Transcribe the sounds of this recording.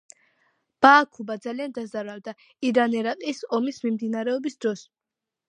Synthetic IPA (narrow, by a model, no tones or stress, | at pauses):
b̥aːkʰubad̪zaliand̪azaɾald̪a | iɾanɛɾaqʼisɔmismimd̪inaɾɛɔbisd̪ɾɔs